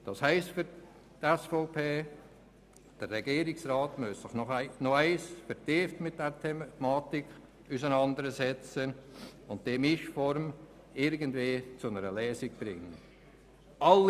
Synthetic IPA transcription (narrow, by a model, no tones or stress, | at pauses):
d̥ɑshɛɪstfyɾ | tɛsfoʊpʰeː | d̥ərrɛɡ̥iːɾɪksrɑːtmøssɪχnɔχnoæɪsfəɾtɪftmɪt̚d̥ɛɾtʰɛmɑːtik | usənɑndəɾəsɛt͡sənʊntd̥eːmɪʃfɔɾm | ɪɾɡəndveːt͡sʊnəɾəlɛːsiɡ̥̚b̥ɾɪŋːən | ʔɑlː